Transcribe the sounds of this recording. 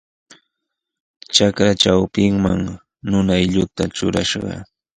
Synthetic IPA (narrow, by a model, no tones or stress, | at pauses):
t͡ʃakɾat͡ʃawpɪŋma̰ŋ | nʊnajʎʊt̪at͡ʃʊɾa̰ʃɢɑ̰